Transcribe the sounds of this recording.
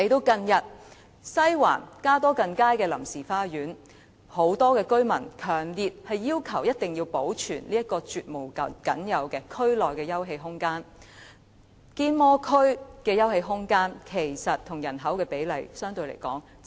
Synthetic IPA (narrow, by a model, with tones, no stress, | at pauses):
le˨jt̪o˧wkɐ˧njɐ˨t̚ | sɐ˥jwa̰ː˨˩nkaː˥t̪ɔː˥kɐ˧ŋkaː˥jkɛː˧lɐ˨˩msiː˨˩faː˥jyː˨˥n | ho˨˥wt̪ɔː˥kɛː˧kɵ˥ɥmɐ˨˩nkʰœː˨˩ŋliː˨t̚hɐ˨jːiː˥wkʰɐ˨˩wjɐ˥t̚t̪ɪ˨ŋjiː˧wpo˨˥wt͡ʃʰyː˨˩nliː˥jɐ˥t̚kɔː˧t͡ʃyː˨t̚mo˨˩wkɐ˨kɐ̰˨˥njɐ˨˧wkɛː˧kʰɵ˥ɥlɔː˨jkɛː˧jɐ˥wɦe˧jɦʊ˥ŋkaː˥n | kiː˥nmɔː˥kʰɵ˥ɥkɛː˧jɐ˥whe˧jɦʊ˥ŋkaː˥nkʰe˨˩jsɐ˨t̚t̪ʰːʊ˨˩ŋjɐ˨˩nɦɐ˨˥wkɛː˧pe˨˥jlɐ˨˩jsœː˥ŋt̪ɵ˧ɥlḛ˨˩jkɔ̰ː˨˥ŋ